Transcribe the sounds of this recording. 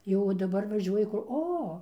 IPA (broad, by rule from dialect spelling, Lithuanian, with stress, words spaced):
ˈjoː dɐˈbɐr ʋɐˈʒʲuɔjɪ ˈkʊr ˈoː